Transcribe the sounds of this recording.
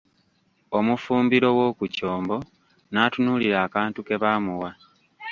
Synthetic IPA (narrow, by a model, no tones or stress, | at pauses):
o̞mufuːmbiɾo̞wo̞ːkuco̞ːmbo̞ | naːtunuːliɾaːkaːntuke̞βaːmuwa